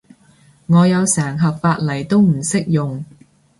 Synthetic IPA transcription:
ŋɔː˨˧jɐ˨˧wsɛː˨˩ŋɦɐ˨p̚faː˧t̚lɐ˨˩jt̪o˥wm̩˨˩sɪ˥k̚jʊ˨ŋ

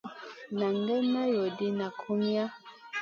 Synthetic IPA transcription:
na˨ŋɡɛ˦mɛ˦jo˨di˦na˨kʰu˦mja˦

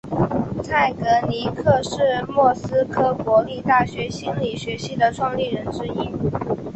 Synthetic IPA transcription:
t͡sʰa˥˩ɪkɤ˧˥ni˧˥kʰɤ˥˧ʂɻ̩˥˩mwɔ˥˩sɹ̩˥kʰɤ˥kwɔ˧˥li˥˧t̪a˥˩ɕɥɛ˧˥ɕi˥nli˨˩ɕɥɛ˧˥ɕi˧˥d̪ə˨ʈ͡ʂʰwɑ˥˧ŋli˥˩ɻə˧˥nʈ͡ʂɻ̩˥i˥

